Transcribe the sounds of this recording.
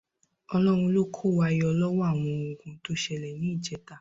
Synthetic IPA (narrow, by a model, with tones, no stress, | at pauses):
ɔ˧lɔ˦˨ɾ̃ũ˧lo˦kʰo˦˨wa˧i˧ɔ˧lɔ˦wa˦˨w̃ɔ̃˨˧ũ˨kũ˧to˦ʃɛ˧lɛ˨nĩ˨˦i˦˨d͡ʒɛ˨˦ta˦˨